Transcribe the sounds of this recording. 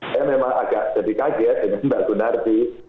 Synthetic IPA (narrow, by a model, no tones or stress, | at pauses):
ajamemaŋa̰ɡ̥aʔd̥d͡ʒ̥adikaɡɛt̚d̥əŋanəndaʔɡ̥ənart̪i